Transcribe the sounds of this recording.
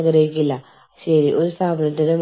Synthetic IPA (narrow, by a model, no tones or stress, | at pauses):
ɡɾɐɦikʲːilːɐ | ɕɐɾiʔoɾust̪ʰaːbʱɐnɐt̪ːinɨm